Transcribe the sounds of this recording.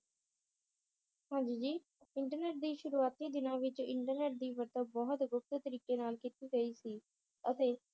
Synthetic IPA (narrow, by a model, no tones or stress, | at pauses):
hãːd͡ʒiːd͡ʒiː | ɪɳʈəɾneːʈ̚d̪iːʃʊɾuːaːt̪iːd̪ɪnãːʋɪt͡ʃɪɳʈəɾneːʈ̚d̪iːʋəɾt̪əbɔɦt̪ɡʊp̚t̪ət̪əɾiːkeːnaːlkit̪iːɡəiːsiː | ət̪eː